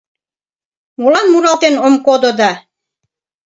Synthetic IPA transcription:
mulɑnmuɾɑlt̪enomkod̪od̪ɑ

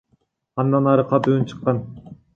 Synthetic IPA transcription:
ɑnd̪ɑnɑɾɯqʰɑt̪uunt͡ʃʰɯ̥qːɑn

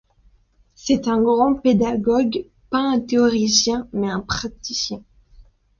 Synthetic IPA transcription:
sɛt̪ɛ̃ɡʁɑ̃ped̪aɡɔɡ | paɛ̃t̪eɔʁisjɛ̃mɛɛ̃pχat̪isjɛ̃

